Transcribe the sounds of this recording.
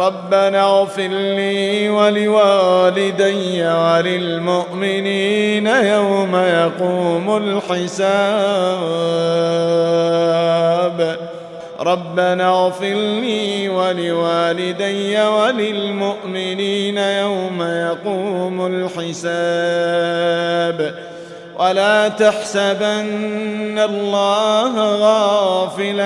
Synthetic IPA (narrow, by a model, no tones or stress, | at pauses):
ɾˤɑbːanaɣfɪɾliːwalɪwaːlɪd̪ajwalɪlmʊʔmɪniːnajawmajaquːmʊlħɪsaːb | b | ɾˤɑbːanaɣfɪɾniːwalɪwaːlɪd̪ajːawalɪlmʊʔmɪniːnajawmajɑquːmʊlħɪsaː | b | wʔalaːt̪aħsabʔanːalˤːɑːɦɣɑːfɪla